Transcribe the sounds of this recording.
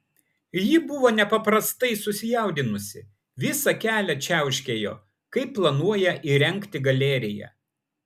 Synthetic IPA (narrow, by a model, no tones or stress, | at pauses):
jibʊʋoːnʲɛpɐpɾɐst̪ɐɪsʊsʲɪjɛˑʊd̪ʲɪnʊsʲɪ | ʋʲɪsɐkʲæːlʲɛt͡ʃʲæˑʊʃʲkʲeːjo̰ː | kɐɪpːlˠɐnuɔjɛʔiɾʲɛŋʲˑkt̪ʲɪɡɐlʲɛːɾʲɪjɛ̰